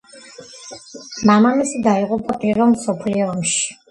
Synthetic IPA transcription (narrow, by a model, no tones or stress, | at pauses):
mamamisɛd̪aiqʼupʰʼakʼiɾɔmsɔpʰliɔːmʃi̥